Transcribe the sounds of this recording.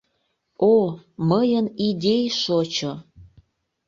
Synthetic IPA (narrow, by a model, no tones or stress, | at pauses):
oməjənidʲejʃot͡ɕo